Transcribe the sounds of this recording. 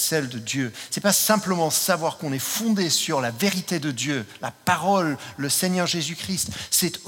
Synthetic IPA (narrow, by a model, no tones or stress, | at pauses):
sɛld̪əd̪jøsɛpasɛ̃pləmɑ̃savwaʁkɔ̃nɛfɔ̃d̪esyʁlaveʁit̪ed̪əd̪jølapaʁɔlːəsɛɲœʁʒezykχist̪sɛt̪